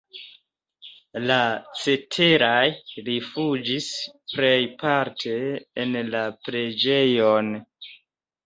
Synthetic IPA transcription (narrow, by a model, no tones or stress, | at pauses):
lat͡se̞tʰe̞ɾajɾifud͡ʒispɾejpaɾtʰe̞ːnlapɾe̞d͡ʒe̞jon